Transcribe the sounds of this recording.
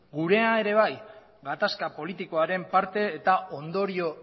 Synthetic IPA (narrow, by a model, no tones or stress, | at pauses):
ɡuɾe̞ae̞ɾe̞β̞aj | ɡat̪askapo̞lit̪iko̞aɾe̞mpaɾt̪e̞ːt̪ao̞nd̪o̞ɾio̞